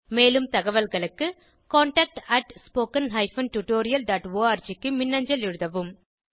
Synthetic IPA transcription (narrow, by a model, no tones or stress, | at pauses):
meːlɯmt̪ɐɣɐʋɐlɣɐɭɯkːɯ | koːɳʈɐːk̚ʈɐʈspoːkɐnɦɐɪfɐnʈuʈoːɾɪjɐlɖaːʈʋoːaːɾt͡ʃɪkːɯmɪnːɐɲd͡ʒɐlɛɻɯðɐʋɯm